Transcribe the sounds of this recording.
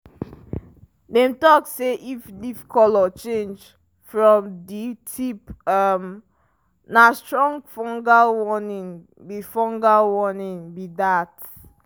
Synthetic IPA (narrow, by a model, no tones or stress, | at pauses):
dɛ̃mtɔkseʔifdifkʰɔlɔt͡ʃẽnd͡ʒ | fɹɔ̃mditʰipam | nastɹɔ̃ŋfɔ̃ŋɡawɔnĩŋ | bifɔ̃ŋɡawɔnĩŋbidat